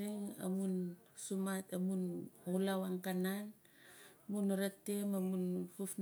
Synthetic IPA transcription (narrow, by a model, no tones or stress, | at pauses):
iŋa̰mun | sumatamunulawaŋkanan | munɾate̞mamunpufn